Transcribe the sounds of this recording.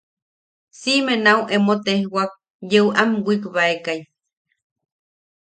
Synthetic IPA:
simenauʔemot̪ehwak̚ | jeuʔamwʷikβaekaj

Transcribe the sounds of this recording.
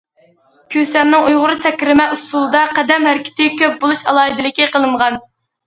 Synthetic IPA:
kʲʰøsɛnnːɪŋujʁʊɾɨsɛkʲɾɪmɛust̪ulˠd̪ɑqʰæd̪ɛmhæɾkʲʰɪ̥t̪ʰɪkʲøp̚bolˠuʃɑ̰lˠɑid̪ɪlɪkʲiqəlˠɨɴʁɑn

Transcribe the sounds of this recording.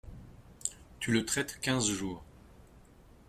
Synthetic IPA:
t̪ylət̪χɛt̪kʲɛ̃zʒuːʁ

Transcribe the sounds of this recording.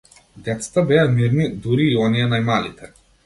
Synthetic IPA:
d̪ɛt̪sḁt̪abɛjamiɾnid̪uɾiːɔnijɛnajmalit̪ʰɛ

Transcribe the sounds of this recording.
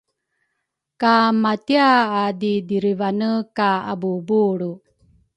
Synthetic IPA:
kamat̪jaːd̪id̪iɾiʋanəkaa̰bubuːɽu

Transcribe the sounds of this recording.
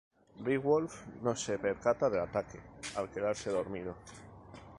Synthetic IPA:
riɣwolfnose̞pe̞ɾkat̪aðe̞lat̪ake̞alke̞ðaɾse̞ðo̞ɾmið̞o̞

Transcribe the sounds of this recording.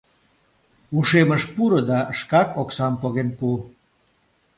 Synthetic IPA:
uʃeməʃpuɾə̆d̪ɑʃkɑkoksɑmpoɣenpu

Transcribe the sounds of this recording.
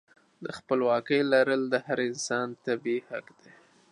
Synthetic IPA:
d̪əxpəlwɑkəjlaɾəld̪əhaɾɪnsɑnt̪abiha̰kd̪e

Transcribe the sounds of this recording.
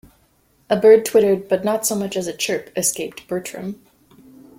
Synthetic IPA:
ʔəbɜ˞d̚tʰw̥ɪɾə˞d̚bʌtⁿnətsoʊmʌt͡ʃɨzɨt͡ʃʰɜ˞pɨskeɪp̚t̚b̥ɜ˞t͡ʃɹ̥ɨ̰̃m

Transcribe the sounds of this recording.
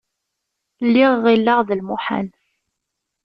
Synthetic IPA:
lːiʁːilːaʁðəlmuħa̰n

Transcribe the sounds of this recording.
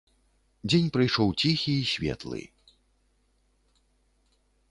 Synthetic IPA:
d͡zʲenʲpɾɨjʂɔwt͡sʲixʲiːsʲvʲɛ̰t̪lˠɨ̰

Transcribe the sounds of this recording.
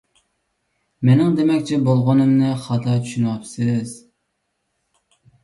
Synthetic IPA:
menɪŋd̪emɛkʲt͡ʃʰɛbolˠʁʊnɨmnɨχɑt̪ʰɑt͡ʃʰyʃynwɑpsɨz̥

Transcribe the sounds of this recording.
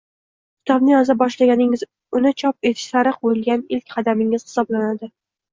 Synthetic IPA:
kʲʰɪ̥t̪ʰɒbnɪɒzabɒʃlaɡʲanɪŋɪz | ʊnɪt͡ʃʰɒp̚e̞t̪ʰɪ̥ʃsaɾɨqbojɪlˠɡʲanɪlkʲqʰɑd̪amɪŋɪz̥hɪ̥sɒblanad̪ɪ

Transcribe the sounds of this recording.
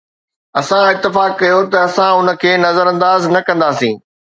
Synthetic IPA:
ɐsãɪt̪ːɪfaːkːɐjot̪ɐɐsãʊnə̆kʰeːnɐzəɾɐ̃nd̪aːznɐkɐ̃nd̪aːsĩː

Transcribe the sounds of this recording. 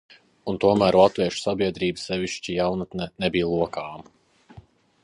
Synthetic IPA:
unt̪uɔmæːɾlˠat̪viɛʃu̥sabʲiɛd̪ɾiːbɨsɛviʃt͡ʃijawnat̪nɛnɛbiːlˠuɔkaːm

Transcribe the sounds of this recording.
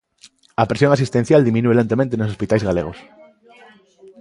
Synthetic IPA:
ɐpɾesjõŋasist̪en̟θjald̪imĩnuelent̪emẽnt̪enosospit̪ajzɣalḛɣos

